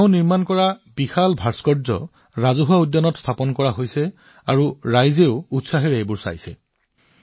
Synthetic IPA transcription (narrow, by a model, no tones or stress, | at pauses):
ʊ̃niɹmankɔɹabixalbʱaɹskɔɹzɔ̰ | ɹazuɦuaudjɔnɔtst̪ʰapɔnkɔɹaɦojsɛ | aɹuɹajzeʊutsaɦeɹebʊɹsa̰jsɛ̰